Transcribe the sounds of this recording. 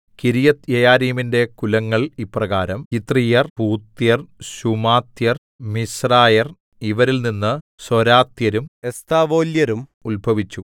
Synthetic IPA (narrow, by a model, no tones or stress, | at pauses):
kiɾijɐt̪jejaːɾijminde̞kulɐŋːɐɭiprɐɣaːɾɐmkit̪rijɐrpuːt̪jɐrɕumaːt̪jɐr | misraːjɐr | iʋɐɾilninːɨ | soɾaːt̪jɐɾumest̪aːʋoːljɐɾumulbʱɐʋit͡ɕːu